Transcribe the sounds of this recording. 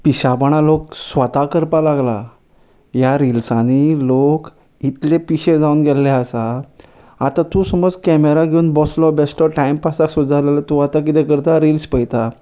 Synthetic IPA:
piɕabəɽ̃alok̚sʋət̪akəɾpalaɡla | jaɾilsãnilok | it̪lepiɕed͡zaunɡɛlːɛəsa | at̪ãt̪ũsəmɔt͡skɛmeɾaɡʱeunbɔslɔbesʈɔʈaimpasasud͡zalelat̪uat̪ak̬it̪ekəɾt̪aɾilspəjt̪a

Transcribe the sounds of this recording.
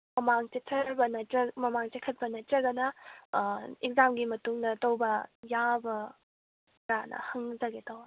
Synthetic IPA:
mɐmaŋt͡ʃetʰɐɾbɐnɐtɾɐmɐmaŋt͡ʃekʰɐt̚pɐnɐtɾɐɡɐnɐ | ek̚zamɡimɐtuŋdɐtɐwbɐjabɐ | ɾanɐ̰hɐŋd͡ʒɐɡetɐw

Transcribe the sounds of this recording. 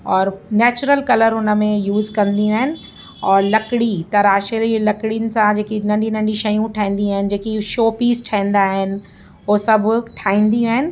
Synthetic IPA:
ɔːɾnɛːt͡ɕʊɾəlkɐləɾʊnə̆mẽjuːzkɐ̃nd̪ĩaːɦɪnɪ̆ | ɔːɾlɐkɪɽit̪ɐɾaːʃelilɐkɽinɪ̆sãd͡ʑeːkinɐ̃ɳɖʱinɐ̃ɳɖiʃɐjũʈʰaːĩːn̆d̪iaːɦɪnɪ̆d͡ʑeːkiʃoːpiːzʈʰãĩːnd̪aːɦɪnɪ̆ | osɐbʱʈʰaːĩːn̆d̪ĩaːɦɪnɪ̆

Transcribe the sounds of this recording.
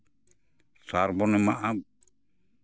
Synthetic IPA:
saɾbɔnɛmaʔab

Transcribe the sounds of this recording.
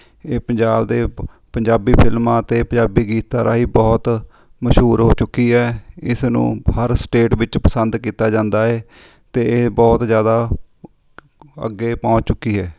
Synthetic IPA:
eːpəɲd͡ʒaːbd̪eː | pəɲd͡ʒaːbiːpʰɪlmãːət̪eːpəd͡ʒaːbiːɡiːt̪ːaːɾa̰ːɦiːbɔːt̪ | məʃɦuːɾɦoːt͡ʃʊkːiːɦɛːɪsnṵ̃ːhəɾsʈeːʈʋɪt͡ʃpəsənd̪kiːt̪aːd͡ʒãːnd̪aːɛː | t̪eːebɔːt̪zjaːd̪aː | ə̰ɡːeːpɔ̃ːt͡ʃt͡ʃʊkːiːɦɛː

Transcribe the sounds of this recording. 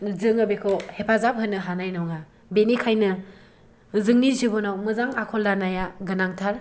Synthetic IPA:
zɯŋabekʰɔhepʰazap̚ɦɯnːɯɦanajnɔwŋa | benikʰajnɯ | zɯŋnizibɔnawmɯzaŋakʰɔlːanajaɡɯnaŋtʰaɾ

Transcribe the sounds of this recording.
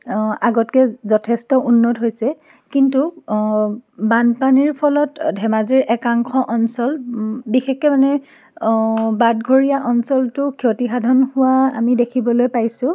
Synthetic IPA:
aɡɔtkɛzɔtʰɛstɔʔunːɔtɦojsɛ | kintu | banpaniɹpʰɔlɔtdʱɛmaziɹʔɛkaŋxɔʔɔnsɔlbixɛkɛmanɛ | bad̚ɡʱoɹijaʔɔnsɔltʊkʰiotixadʱɔnhʊwaa̰midekʰibɔlojpajsʊ̃

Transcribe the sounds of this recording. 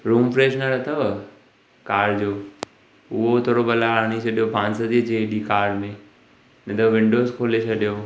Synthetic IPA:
ɾuːmfɾeːʃnaɾɐt̪ʰɐʋ | kaːɾd͡ʑoː | ʊɦot̪ʰoːɾobɐlaːaːɽ̃it͡ɕʰɐɗijobʱãːnsɐd̪id͡ʑeɗikaːɾmẽ | nɐt̪ʰɐʋʋɪ̃ɳɖoːzkʰoːlet͡ɕʰɐɗijo

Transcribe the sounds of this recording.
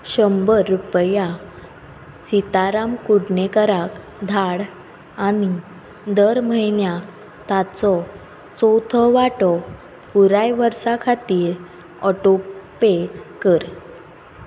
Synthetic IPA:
ɕəmbəɾːupəja | sit̪aɾamkuɽnekəɾak | d̪ʱaɽ | ani | d̪əɾməɦinja | t̪at͡sɔ | t͡sɔt̪ʰɔʋaʈɔ | puɾajʋəɾsakʰat̪iːɾ | ɔʈopekəɾ

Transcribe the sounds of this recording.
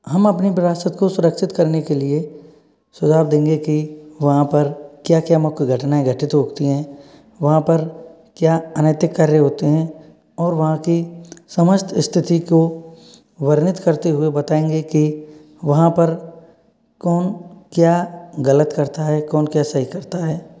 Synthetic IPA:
ɦɐmɐpnipɪɾaːsət̪kosʊɾəkʃɪt̪kɐɾnekelie | sʊd͡ʒ̪ʱaːbd̪ẽːŋɡekiʋɐɦãpɐɾkjaːkjaːmʊkɡʱɐʈnaɦɛɡʱɐʈɪt̪ɦoːɡt̪iɦɛ̃ː | ʋɐɦãpɐɾ | kjaːənəːt̪ɪkːɐɾːeɦoːt̪eɦɛ̃ | ɔːɾʋɐɦãkisɐməʃt̪ʰɪst̪ʰɪt̪iko | ʋɐɾnɪt̪kɐɾt̪eɦʊebɐt̪aːẽːŋɡeki | ʋɐɦãpɐɾ | kɔːnkjaːɡɐlət̪kɐɾt̪aɦɛkɔːnkjaːsɐɦikɐɾt̪aɦɛː

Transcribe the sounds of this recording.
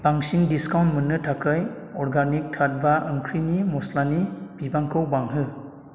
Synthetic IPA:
b̥aŋsiŋdiskawntmɯnːɯtʰakʰɯjɔɾɡanik̚tʰat̚baɯŋkʰɾinimɔslanib̥ibaŋkʰɯwbaŋɦɯ

